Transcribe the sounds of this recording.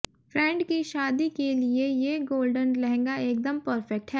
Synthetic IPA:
fɾɛ̃ːɳɖkiʃaːd̪ikeliejeɡoːlɖənlɛɦɛ̃ŋɡaeːk̚d̪əmpəɾfɛk̚ʈɦɛː

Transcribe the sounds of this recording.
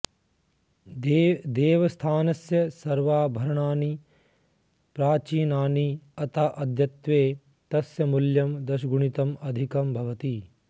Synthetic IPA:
d̪eːʋɐst̪ʰaːnɐsjɐsɐɾʋaːbʱɐɾɐɳaːni | pɾaːt͡ʃiːnaːniɐt̪ʰaʔɐd̪ʱjɐt̪ʋeː | t̪ɐsjɐmuljɐmd̪ɐʃɡuɳit̪ɐmɐd̪ʱikɐmbʱɐʋɐt̪i

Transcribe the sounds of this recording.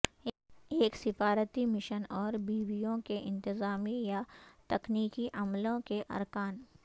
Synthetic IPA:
eːksɪfaːɾət̪imɪʃənɔːɾbiːʋijõkeʔɪ̃nt̪ɪzaːmijat̪ɐkniːkiʔɐmlõkeʔɐ̰ɾkaːn

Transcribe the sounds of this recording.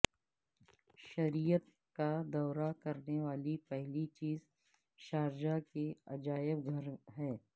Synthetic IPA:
ʃɐɾijət̪ | kad̪ɔːɾakɐɾneʋaːlipɛɦlit͡ʃiːz | ʃaːɾd͡ʒakeɐd͡ʒaːɪbɡʱɐɾɦɛː

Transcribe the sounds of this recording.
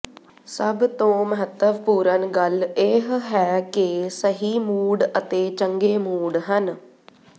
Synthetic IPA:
səbt̪õːməɦət̪ːəʋpuːɾənɡəleɦɦɛːkɪsəɦiːmuːɽət̪eːt͡ʃəŋɡeːmuːɽɦən

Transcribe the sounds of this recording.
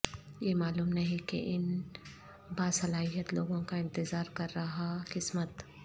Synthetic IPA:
jemaːluːmnɐɦĩkḛʔɪn | baːsɐlaːɦijət̪loːɡõkaɪ̃nt̪ɪzaːɾkɐɾːɐɦakɪsmət̪

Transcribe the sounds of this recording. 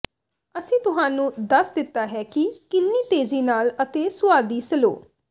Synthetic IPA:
əsĩːt̪ʊɦaːnũːd̪əsd̪ɪt̪ːaːɦɛːkɪkɪnːiːt̪eːziːnaːlət̪eːsʊaːd̪iːsəlo̰ː

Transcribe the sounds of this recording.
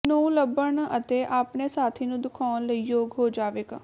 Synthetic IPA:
nouləbːəɳət̪eːʔaːpneːsaːt̪ʰiːnũːd̪ʊkʰɔːnləiːjoːɡɦoːd͡ʒaːʋeːk

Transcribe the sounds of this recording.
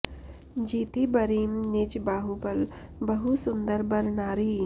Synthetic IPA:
d͡ʒiːt̪ibɐɾiːmnid͡ʒbaːɦubɐl | bɐɦusʊnd̪əɾbɐɾnaːɾiː

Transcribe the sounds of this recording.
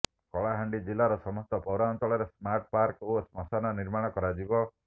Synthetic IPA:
kɔɭaɦaɳɖid͡ʒilːaɾɔsɔmɔst̪ɔpɔwɾaɔnt͡ʃɔɭɔɾesmaɾʈ̚paɾkosmɔsanɔniɾmaɽ̃ɔkɔɾad͡ʒibɔ

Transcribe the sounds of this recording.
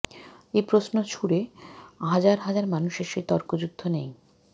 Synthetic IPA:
ejpɾosnot͡ɕʰuɽeɦad͡ʑaɾɦad͡ʑaɾmanuʃeɾʃet̪ɔɾkod͡ʑud̪ʱːonej

